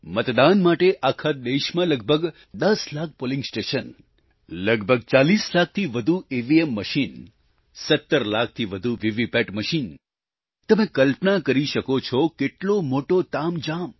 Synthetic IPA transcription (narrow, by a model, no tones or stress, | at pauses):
mət̪d̪anmaʈeʔakʰad̪eʃmãləɡ̚bʱəɡ | d̪əslak̚ʰpolĩŋɡsʈeʃən | ləɡbʱəɡt͡ʃalislak̚ʰt̪ʰiʋəd̪ʱueʋiemːəʃin | sət̪ːəɾlak̚ʰt̪ʰiʋəd̪ʱuʋiʋipeʈməʃin | t̪əmẽkəlpnakəɾiʃəkot͡ʃʰɔkeʈlomoʈot̪amd͡ʒam